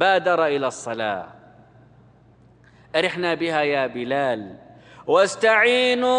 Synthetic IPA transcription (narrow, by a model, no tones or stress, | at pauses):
baːd̪ɑɾˤɑʔɪlaːsˤːɑla̰ː | ʔaɾɪħnabɪhajaːbɪlaːl | wast̪aʕiːnu